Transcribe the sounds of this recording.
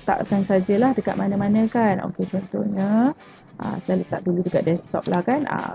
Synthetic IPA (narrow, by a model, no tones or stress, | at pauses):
t̪a̰ʔkansad͡ʒəlahdəka̰t̪̚mʔanə̃manə̃kano̰ket͡ʃɔnt̪ohɲə | ʔə̰səlalut̪aʔduludəka̰ʔ̪̚dɛst̪ɔ̰p̚lahkanʔa̰